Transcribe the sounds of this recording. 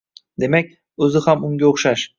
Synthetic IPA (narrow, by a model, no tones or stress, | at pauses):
d̪e̞mak̚ʲ | ɵzɪhamʊŋɡʲaoχʃaʃ